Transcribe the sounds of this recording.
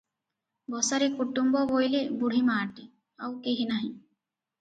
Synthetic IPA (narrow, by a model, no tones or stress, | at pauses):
bɔsaɾekuʈːumbɔbojlebuɽ̤ʱimaːɾʈi | awkeɦinaɦĩ